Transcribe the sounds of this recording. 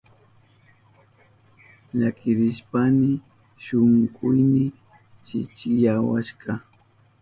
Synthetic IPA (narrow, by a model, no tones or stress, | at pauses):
ʎakʰɪɾɪʃpanɪ | ʃʊŋɢʊjmɪ | t͡ʃɪ̰t͡ʃɪjawaʃɢɑ